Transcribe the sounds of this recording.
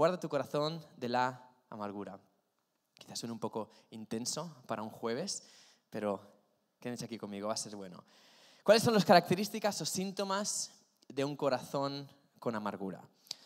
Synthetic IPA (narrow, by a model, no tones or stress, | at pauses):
waɾðat̪uko̞ɾaθo̞nd̪e̞la | a̰maɾɣ̞uɾa | ki̥θasunumpo̞ko̞int̪e̞nso̞paɾauŋxwe̞β̞e̞s | pe̞ɾo̞ | kenesakikomiɣ̞o̞βase̞ɾβwe̞no̰ | kwale̞sːo̞nloskaɾak̚t̪e̞ɾist̪ikaso̞sint̪o̞maz | ðe̞uŋko̞ɾaθo̞ŋ | ko̞namaɾɣ̞uɾa̰